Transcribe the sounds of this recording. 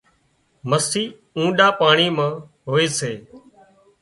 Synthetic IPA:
məsiː | ũːɗaːpaːɳiːmãːɦoːeːseː

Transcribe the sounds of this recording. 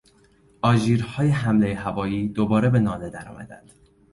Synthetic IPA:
ʔɒːʒiːɾhɒːje̞ɦæmle̞jeɦævɒːjiːd̪obɒːɾe̞be̞nɒːne̞d̪æɾɒ̰ːmʔæ̰d̪æ̰nd̪̥

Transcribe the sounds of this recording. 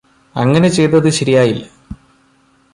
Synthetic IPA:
ɐŋːɐne̞t͡ɕe̞jt̪ːɐðɨɕɐɾijaːjilːɐ

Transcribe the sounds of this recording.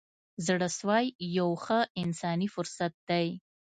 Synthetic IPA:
zɽəswɑjjawxəɪnsɑnifʊɾsat̪̚d̪aj

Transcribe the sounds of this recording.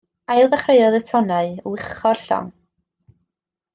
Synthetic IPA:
ajlˠvaχreɨɔðətʰɔnaɨlˠɪχɔrɬɔ̰ŋ

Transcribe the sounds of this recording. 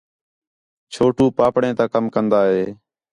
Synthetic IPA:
t͡ʃʰoːʈuːpaːpɽẽːt̪ãːkəmkənd̪aːɦeː

